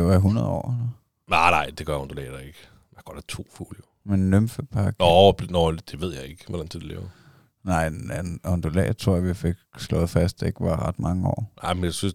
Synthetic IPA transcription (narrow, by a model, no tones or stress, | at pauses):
deʋɑɦunɐðˠɒ̰ːelɐ | nɑ̈ɪnɑ̈ɪ̰d̥e̝ɡ̥ɶɐjɔnd̥olɛ̰ːd̥æeɡ̥ | jaɡ̥ɒd̥æt͡sʰo̝̰ːfṵljo | menːømfəpʰɑ̈ɡ̥nɒbnɔd̥e̝ʋe̝ð̞̰ˠjɑ̈ɪe̝ɡ̥ʋɔd̥ænt͡sʰed̥elḛːʊɐ | nɑ̈ɪ̰ænɒnd̥olɛ̰ːt͡sʰʁo̝ɐ̰ɐʋife̝ɡ̥slɔ̽ð̞̩ˠfæsd̥eɡ̥ʋɑ̈ʁɑd̥mɑ̈ŋəɒ̰ːnʔɑ̈ɪmenjasyns